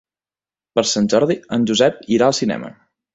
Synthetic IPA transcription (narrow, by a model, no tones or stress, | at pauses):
pəɾsanʲʒɔɾðiənʲʒuzɛp̚iɾaəlˠsinɛ̰mə̰